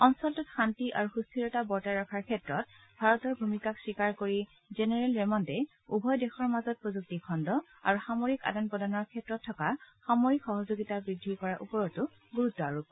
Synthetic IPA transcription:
ɔnsɔltutxantiʔa̰ɹuxustʰiɹɔtabɔɹtaɹakʰaɹkʰɛtɹɔt̚ | bʱaɹɔtɔɹbʱumikaksikaɹkoɹi | zenɛɹɛlɹɛmɔntɛ | ubʱɔjdexɔɹmazɔt̚pɹozuk̚tikʰɔndɔ | a̰ɹuxamoɹika̰danpɔdanɔɹkʰɛtɹɔtʰːɔkaxamoɹikxɔɦɔzoɡitabɹidʱːikɔɹaʔṵpɔɹɔtʊ | ɡuɹutːɔa̰ɹup̚

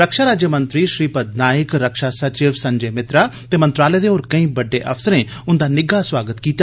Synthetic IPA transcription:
ɾəkʃaːɾaːd͡ʒjəmə̃nt̪ɾiːʃɾiːpəd̪̚naːɪkɾəkʃaːsət͡ʃɪʋsəɲd͡ʒeːmɪt̪ɾaːt̪eːmənt̪ɾaːleːd̪eoːɾkəĩːbəɖːeːʔəpʰsəɾẽː | ʊnd̪aːnɪɡaːswaːɡət̪kiːt̪a

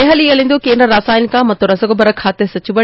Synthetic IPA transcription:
eɦɐliːɐlĩːnd̪okẽːnɐɾaːsaːɪnikãːmɐt̪oɾɐsəɡobɐɾɐkʰaːt̪esɐt͡ɕʊbɐ

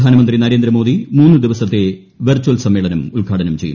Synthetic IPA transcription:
aːnɐmɐnd̪rinɐɾeːnd̪ɾɐmo̞ːd̪imuːnːɨd̪iʋɐsɐt̪ːe̞ | ʋɐrt͡ɕːuɐlsɐmːe̞ːɭɐnɐmulɡʱaːɽʰɐnɐmt͡ɕe̞jṵ

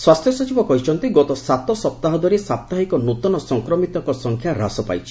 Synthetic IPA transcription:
swast̪ʰjɔsɔt͡ʃibɔkɔɦit͡ʃʰɔnt̪iɡɔt̪ɔsat̪ɔsɔp̚t̪aɦɔd̪ʱɔɾisap̚t̪aɦikɔnut̪ɔnɔsɔŋkɾɔmit̪ɔŋkɔsɔŋkʰjaɾa̰sɔpa̰jt͡ʃʰi̥

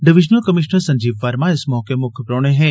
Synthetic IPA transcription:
ɖɪʋɪʒnəlkəmɪʃnəɾsə̃ɲd͡ʒiʋːaɾmãesmɔːkemʊkʰjəpɾoɳ̃ẽɦẽ

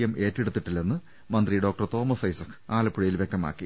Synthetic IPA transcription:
jɐmʔe̞ːtːeɽut̪ːiʈːilːɐenːɨ | mɐnd̪riɖo̞ːk̚ʈɐrt̪o̞ːmɐsɐjsɐkʰːɨ̥aːlɐpːuɻɐjilʋjek̚t̪ɐma̰ːkːi

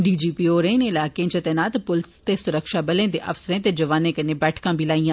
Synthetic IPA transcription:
ɖiːd͡ʒiːpiːoːɾẽːneːɪlaːkẽt͡ʃət̪enaːt̪pʊlɪst̪esʊɾəkʃaːbəlẽːd̪eːʔɐfsəɾẽːt̪ed͡ʒəʋaːnẽːkənebɛːʈʰkãːbʱilaːijãː

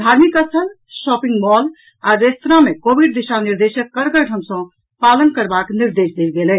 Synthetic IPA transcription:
d̪ʱaɾmikət͡ʃʰəl | sɔpĩŋɡbɔl | aɾest̪ɾamekobʱiɖd̪iʃaniɾd̪esəkːəɾɡəɾʈəmsə̃ | palənkəɾbakniɾd̪esd̪elɡelɛ

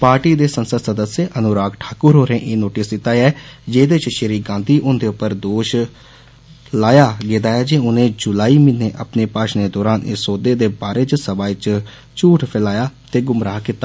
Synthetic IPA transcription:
paːɾʈiːd̪eːsənsəsəd̪əsjeːʔənʊɾaːɡʈʰḁːkʊɾɦoːɾẽːʔeːnoːʈɪsdɪt̪aːɛːd͡ʒeːd̪eːɪt͡ʃʃəɾiːɡãːnd̪iːʔʊnd̪eːʊpːəɾd̪oːʃ | laːjaːɡeːd̪aːɛːd͡ʒeːʊnẽːd͡ʒʊlaːiːmiːnːeːʔa̰pneːpaːʃneːd̪ɔːɾaːnɪ̰soːd̪eːd̪eːbaːɾeːt͡ʃsəbaːɪt͡ʃ | t͡ʃuːʈʰpʰɛlaːjaːt̪eːɡʊmɾaːkɪt̪ːaː

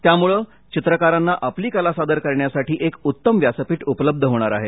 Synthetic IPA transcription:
t̪jamuɭəː | t͡ɕit̪ɾəkaɾanːaʔapliːkəlasad̪əɾkəɾɳjasaʈiːʔekut̪ːəmʋjasəpiːʈupələb̚d̪ʱəɦoɽ̃aɾaɦe

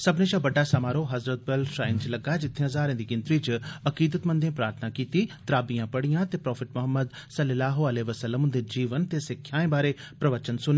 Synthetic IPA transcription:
səbnẽːʃãːbəɖːaːsamaːɾoːɦəzɾət̪̚bəlʃɾaːɪnt͡ʃləɡaːd͡ʒɪt̪ʰːeãzaːɾẽːd̪iːɡɪ̃nt̪ɾiːt͡ʃəkiːd̪ət̪mə̃nd̪ẽpɾaːɾt̪ʰnaːkiːt̪iːt̪əɾaːbijãːpəɽijãːt̪eːpɾɔːpʰɪʈmʊɦəmːəd̪ | sələlaːɦoəleːʋəsəlːəmʊ̃nd̪ed͡ʒiːʋənt̪eːsɪkʰːjaːẽːbaːɾeː | pɾəʋət͡ʃənsʊneː

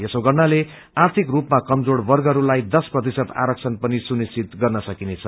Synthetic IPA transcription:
jesoɡʌrnale | art̪ʰikrupmakʌmd͡zoɽbʌrɡʌɾulajd̪ʌsprʌt̪̬isʌt̪a̰ɾʌk̚t͡sʰʌnpʌnisunist͡sit̪ɡʌrnʌsʌkinet͡sʰʌ

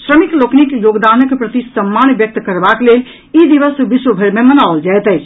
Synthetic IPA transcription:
sɾəmikloknikjoɡd̪anəkpɾət̪isəmːanbjək̚t̪kəɾbaklel | id̪iʋəsbiswəbʱeɾmemənaold͡ʒaɛt̪ɛ

